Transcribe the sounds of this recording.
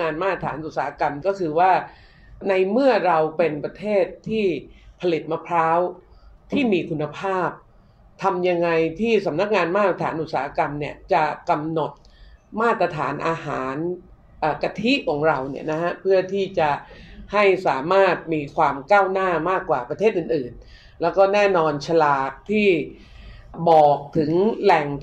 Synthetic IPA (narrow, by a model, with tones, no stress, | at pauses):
ŋaː˧nmaː˥˩t̪at̪ʰaː˩˦nʔu˨˩t̪̚saː˨˦a˧ka˧mkɔː˥˩kʰɯː˧waː˥˩ | na˧jmɯ˥˩ɐɾa˧wpe˧npɾa˧t̪ʰeː˥˩t̪ʰːiː˥˩pʰa˧li˨˩t̪̚ma˧pʰɾaː˦˥wt̪ʰiː˥˩miː˧kʰu˧nːa˧pʰaː˥˩p̚ | t̪ʰa˧mja˧ŋa˧jt̪ʰiː˥˩sa˩˦mna˦˥k̚ŋaː˧nmaː˥˩˧a˧t̪ʰaː˩˦nʔu˨˩t̪̚saː˩˦a˧ka˧mni˦˥˩ɐt͡ɕa˨˩ka˧mno˨˩t̪̚ | maː˥˩t̪ɾa˧t̪ʰaː˩˦nʔaː˧ɦaː˩˦n | ʔaː˨˩ka˧t̪ʰi˦˥ʔkʰɔː˩˦ŋɾa˧wni˥˩ɐna˦˥hʰa˦˥pʰɯ˥˩ɐt̪ʰiː˥˩t͡ɕa˨˩ha˥˩jsaː˩˦maː˥˩t̪̚miː˧kʰwaː˧mkaː˥˩wnaː˥˩maː˥˩kːwaː˨˩pɾa˧t̪ʰe˥˩t̪̚ɯː˨˩nʔɯː˨˩n | lɛː˦˥wkɔː˥˩nɛː˥˩nɔː˧nt͡ɕʰa˧laː˨˩k̚t̪ʰiː˥˩ | bɔː˨˩k̚t̪ʰɯ˩˦ŋlɛ˨˩ŋ